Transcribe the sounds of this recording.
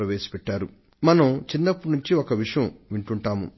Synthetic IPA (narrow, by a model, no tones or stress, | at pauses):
ɾɐʋeːsi̥pɛʈːaːɾu | mɐnɐmt͡ʃinːɐpːunuɲt͡ʃiokɐʋiʂɐjɐmʋiɳʈuɳʈaːmṵ